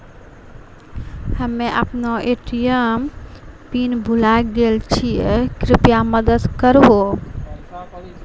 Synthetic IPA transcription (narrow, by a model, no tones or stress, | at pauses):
həmẽʔə̰pnoʔeʈijəmpinbʱulaɡelt͡ʃʰijekɾɪpjaməd̪əd̪kəɾɦo